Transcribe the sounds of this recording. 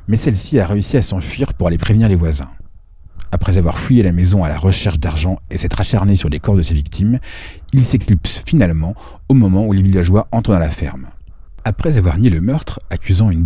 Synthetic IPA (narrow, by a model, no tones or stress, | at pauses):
mɛsɛlsiaʁeysiasɑ̃fɥiʁpuʁalepχevniʁlevwazɛ̰̃ | apχɛzavwa̰ʁfujelamɛzɔ̃ala̰ʁəʃɛʁʃd̪aʁʒɑ̃esɛt̪χaʃaʁnesyʁlekɔʁd̪əsevik̚t̪ʰimilsɛkslipsfinalmɑ̃ | omɔmɑ̃ulevilaʒwaʔɑ̃t̪χəɑ̃lafɛ̰ʁm | apχɛzavwaʁnjeləmœʁt̪χakʲyzɑ̃yn